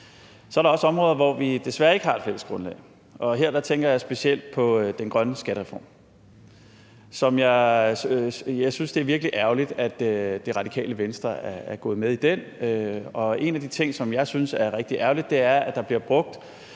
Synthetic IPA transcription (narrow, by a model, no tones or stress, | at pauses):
sɒ̽æɐɾ̥ɑɒ̽səɒ̽mʁɔːðˠɐʋɒʋid̥e̝sʋæɐe̝ɡ̥əɦɑ̈ed̥feləsɡ̥ʁɔ̽nlɛ̰ːɪ | ʔɒ̽ɦe̝ɐ̰d̥ɑ̈t͡sʰeŋɡ̥ɐjɑɪsb̥e̝siel̰d̥̚pʰɒ̽d̥enɡ̥ʁɶnəsɡ̥æɾəʁɛfɒ̰m | sɒ̽mjɑ̈ɪ | jɑɪsynsd̥e̝æɐʋiɐɡ̥liʔæɐlid̥æd̥d̥e̝ʁɑ̈d̥ikʰɛ̰ːləʋensd̥ʁɐæɐæɐɡ̥ɔ̽ːð̞̩ˠmeð̞ˠid̥en̰øɒ̽e̝næd̥it͡sʰe̝ŋ̰sɒ̽mjɑ̈ɪsynsæɐʁɛɡ̥d̥iʔæɐlid̥̚ːe̝æɐæd̥ɑ̈b̥liɐb̥ʁɔ̽ɡ̥̚d̥